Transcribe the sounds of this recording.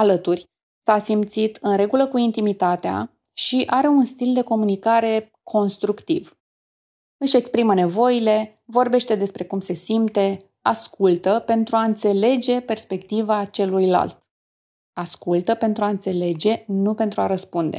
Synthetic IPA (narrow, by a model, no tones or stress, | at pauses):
alət̪urʲ | sasimt̪sit̪ʰɨnɾe̞ɡuləkuint̪imit̪at̪ea̰ | ʃiʔaɾe̞unst̪ild̪e̞ko̞munikaɾe̞ | kʰo̞nst̪ɾukt̪iv | ɨʃe̞kspɾiməne̞vo̞jile̞ | vo̞rbe̞ʃt̪e̞d̪e̞spɾe̞kumse̞simt̪e̞ | askult̪əpe̞nt̪ɾuaɨnt̪se̞le̞d͡ʒe̞pe̞rspe̞kt̪ivat͡ʃe̞lujla̰lt̪ | askult̪əpe̞nt̪ɾuaɨnt̪se̞le̞d͡ʒe̞nupe̞nt̪ɾuaɾəspund̪e̞̰